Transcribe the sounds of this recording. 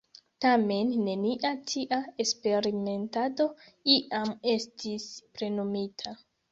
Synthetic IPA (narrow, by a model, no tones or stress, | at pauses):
tame̞nːe̞niʔatʰiʔaespe̞ɾime̞ntado̞iʔame̞stʰispɾe̞nomitʰa